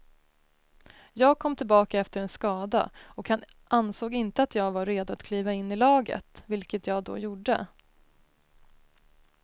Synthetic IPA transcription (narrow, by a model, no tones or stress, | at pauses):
jɑːɡ̚kʰɔmːt̪ʰɪlbɑːkaɛft̪əɾɛnskɑːd̪a̰ɔkhan | ʔansoːɡɪnt̪əat̪jɑːɡvaɾeːd̪ʊat̪kʰliːvaɪnːɪlɑːɡə̰t̪vɪlkət̪jɑːɡd̪ɔ̰juɖə̰